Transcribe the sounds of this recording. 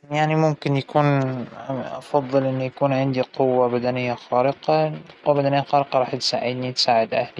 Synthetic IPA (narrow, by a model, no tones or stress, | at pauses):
jaʕnimʊmkɪnjakuːn | ʔɑfɑðˤːɨlʔɪnːujakuːnʕɪnd̪iqʊwːabad̪anɪjːaxaːɾɪqɑqʊwːabad̪anɪjːaxɑːɾɪqɑɾˤɑːħt̪sa̰ːʕɪd̪nit̪saːʕɪd̪ʔahli